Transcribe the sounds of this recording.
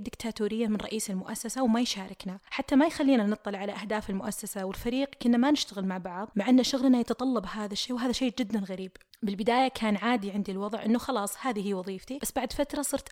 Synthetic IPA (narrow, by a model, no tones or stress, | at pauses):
d̪ːɪkt̪ʰaːt̪uːɾɪjːamɪnɾˤɑ̰ʔiːsɪlmʊʔa̰sːasawmajʃaːɾˤɪknaħat̪ːamajxalːiːnanɨt̪ˤːɑlʕalaʔahd̪aːfɪlmʊʔasːasawɪlfaɾiːqkʊnːamanɪʃt̪aɣɪlmaʕbɑʕðˤmaʕʔanːaʃʊɣlnajat̪ɑt̪ˤɑlːɑbhaːðaʃːeːwɦaːðaʃeːd͡ʒɪd̪ːanɣaɾiːb | bɪlbɪd̪aːjakʰaːnʕaːd̪iʕɪnd̪ilwɑðˤʕʔɪ̰nːʊxɑlɑːsˤhaːðihiːwɑðˤiːft̪ibasːbaʕd̪fat̪ɾˤɑsˤɨɾt̪